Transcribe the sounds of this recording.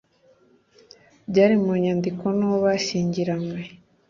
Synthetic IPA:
ɟaːɾimuɲaːndikonoβaʃiːɲɟiɾamwe

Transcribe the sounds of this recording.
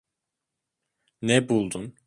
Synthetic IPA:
nɛbulˠd̪un

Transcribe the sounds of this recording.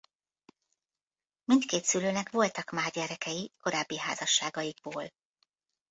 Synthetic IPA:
mint̪keːt̪syløːnɛkʋo̞lt̪ɒkmaːrɟɛɾɛkɛjiko̞ɾaːbːiɦa̰ːzɒʃːaːɡɒjiɡ̥̚boːl

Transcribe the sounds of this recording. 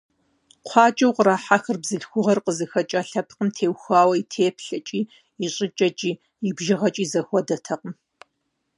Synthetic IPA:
qʷʰɑːt͡ʃʼɐwqəɾaːħaxɨrbzɨɬxʷʊʁɐrqəzɨxɐt͡ʃʼɐɬɐpʰqəmtʰeːwxʷaːwɐitʰeːpʰɬɐt͡ʃʼiː | iɕʼɪt͡ʃʼɐt͡ʃʼiː | ibʒɪʁɐt͡ʃʼiːzɐxʷɔdɐtʰɐqəm

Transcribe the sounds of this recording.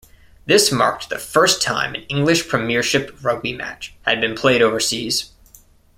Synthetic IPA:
ðɪsmɑ̰ɹk̚t̚ðɨfɜ˞stʰã̰ɪ̃mɨ̰̃nɪ̃ŋɡlɨʃpʰɹ̥ɨmɪɹʃɨpɹʌɡ̚bimæ̰t͡ʃhɨd̚bɨ̃npʰl̥eɪɾoʊvə˞siz̥

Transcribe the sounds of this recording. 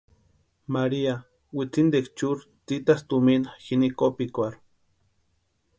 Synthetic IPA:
maɾia | wit͡sind̪ekt͡ʃuɾ | t͡sit̪ast̪uminxinikopikʷaɾ

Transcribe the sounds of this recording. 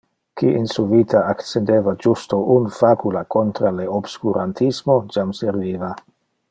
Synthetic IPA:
kiʔinsuvit̪ʰaakt͡send̪eːvad͡ʒust̪oʔunfakulakont̪ɾaleobskuɾʔant̪ʰismod͡ʒamseɾviːva

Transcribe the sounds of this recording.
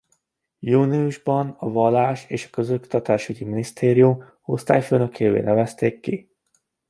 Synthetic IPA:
juːniuʒbɒnɒvɒlːaːʃeːʃɒ̥kø̞zokt̪ɒt̪aːʃyɟiminist̪ʰeːɾijum | o̞st̪aːjføːnø̞kʰeːvḛːnɛvɛst̪eːkːi

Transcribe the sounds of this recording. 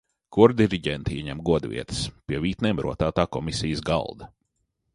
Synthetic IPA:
kuɾd̪ʲiɾiɟʲɛnt̪iɛɲɛmɡuɔd̪vʲḭɛt̪ə̥spʲiɛvʲiːt̪nʲɛːmɾṵɔt̪aːt̪aːkɔmisʲijəsɡa̰lˠd̪ɐ

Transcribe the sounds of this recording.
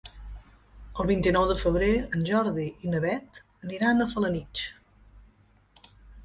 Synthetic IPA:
əlˠβint̪inɔwðəfəβ̞ɾeənʲʒɔɾðiʔinəβɛt̪ | əniɾanəfələnit͡ʃ

